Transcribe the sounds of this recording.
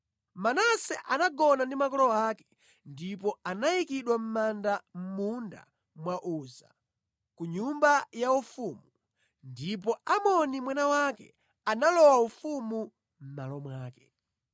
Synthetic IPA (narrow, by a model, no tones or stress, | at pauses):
manasɛʔanaɡɔnandimakɔlɔaːkɛ̥ | ndip̬ɔanajikiɗwam̩mandam̩munda̰ | mwaʔuːza̰ | kuɲumbajaufuːmu | ndip̬ɔamɔnimwɛnawakɛ̰ | analɔwaufumu | m̩malɔmwaːkɛ̰